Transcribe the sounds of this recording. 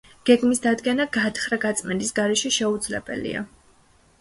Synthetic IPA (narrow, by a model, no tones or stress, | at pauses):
ɡ̥ɛɡmisd̪ad̪ɡɛnaɡat̪ʰχɾaɡat̪sʼmɛnd̪isɡaɾɛʃɛʃɛud̪zlɛ̰bɛ̰lḭa̰